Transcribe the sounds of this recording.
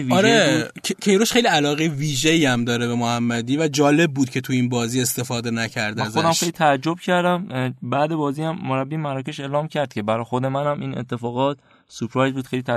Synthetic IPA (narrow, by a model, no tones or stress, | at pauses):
viɒɾecʰe̞jɾoʃxejliælɒːɣejviːʒeiæmd̪ɒːɾebemohæmːæd̪iːvæd͡ʒɒːle̞b̚ːuːd̪̥̚cʰe̞t̪ʰuinbɒːziːe̞st̪e̞fɒːd̪e̞næcʰæɾd̪æzod̪æmxejlit̪ʰæːd͡ʒːob̥cʰæɾd̪æmbæd̪e̞bɒːziːæmːoɾæbːiːmæɾɒːcʰe̞ʃe̞ːlɒːmcʰæɾd̪̥kcʰe̞bæɾɒːjxod̪e̞mænæmiːnḛt̪ʰːe̞fɒːɣɒːt̪ | supʰɾɒjzbuːd̪xe̞jlit̪ʰæ